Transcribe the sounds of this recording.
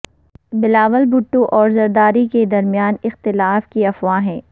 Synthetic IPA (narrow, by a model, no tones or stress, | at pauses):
bɪlaːʋəlbʊʈːõʔɔːɾzɐɾd̪aːɾiked̪ɐɾmijaːnɪxt̪ɪlaːfkiɐfwãɦɛ̃ː